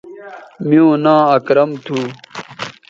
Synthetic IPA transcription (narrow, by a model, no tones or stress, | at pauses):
miõːnãːɐkɾɐmt̪ʰuː